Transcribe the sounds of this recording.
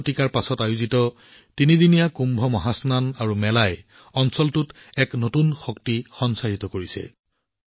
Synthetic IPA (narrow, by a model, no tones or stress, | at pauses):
tikaɹpasɔtajuzitɔ | tinidinijakumbʱɔmɔɦasnanaɹumɛlaj | ɔnsɔltut | ɛknotunxɔktixɔnsaɹitɔkoɹisɛ̰